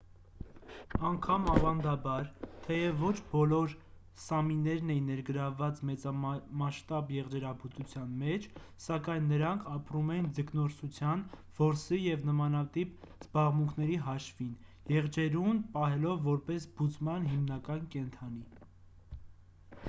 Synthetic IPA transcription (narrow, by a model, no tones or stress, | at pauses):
ɑŋkʰɑmɑvɑnd̪ɑbɑɾt̪ʰɛjɛvːɔt͡ʃʰbɔlɔɾ | sɑminːɛɾnɛjinɛɾɡəɾɑvːɑt͡smɛt͡sɑmɑʃt̪ɑbjɛʁd͡ʒɛɾɑbut͡sut͡sʰjɑnmɛt͡ʃʰ | sɑkɑjnːəɾɑŋkʰɑpɾumɛjind͡zəknɔɾsut͡sʰjɑnv̥ɔɾsijɛvnəmɑnɑt̪ipz̥bɑʁmuŋkʰnɛɾiɦɑʃvin | jɛʁd͡ʒɛɾunpɑɦɛlɔvːɔɾpɛsb̥ut͡smɑnɦimnɑkɑnkɛnt̪ʰɑni